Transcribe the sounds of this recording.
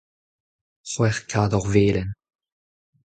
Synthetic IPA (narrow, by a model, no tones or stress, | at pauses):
swɛʁkʰaːd̪ɔʁveːlən